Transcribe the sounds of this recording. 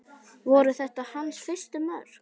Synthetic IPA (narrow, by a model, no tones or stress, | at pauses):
vɔɾʏθɛht̪ahansfɪr̥st̪ʏmœɾ̥